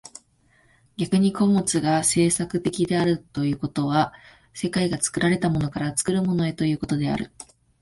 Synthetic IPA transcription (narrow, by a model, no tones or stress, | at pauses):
ɡʲakɯ̟ɲ̟ikʰo̞mo̞t͡sɨɡase̞ːsakɯ̟t̪e̞kʲid̪e̞aɾɯ̟t̪o̞jɯ̟ːko̞t̪o̞β̞a | se̞kaiɡat͡sɨ̥kɯ̟ɾaɾe̞t̪amo̞no̞kaɾat͡sɨ̥kɯ̟ɾɯ̟mo̞no̞e̞t̪o̞jɯ̟ːko̞t̪o̞d̪e̞a̰ɾɯ̟